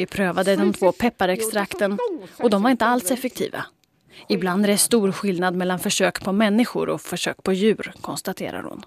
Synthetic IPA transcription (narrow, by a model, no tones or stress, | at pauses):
ɪpʰɾøːvad̪əd̪ɔmt̪ʰvoːpʰɛpːaɾɛkst̪ɾakt̪ənɔd̪ɔmvaɾɪnt̪əalsɛfɛk̚t̪ʰḭːva̰ | ɪbland̪ɾɛst̪uːɾɧɪlnad̪mɛlːanfœʂøːkpʰɔmɛnːɪɧʊ̰ɾɔ̰fœʂø̰ːkpʰɔjʉ̟ːɾkʰɔnst̪at̪ʰḛːɾa̰ɾhʊ̰n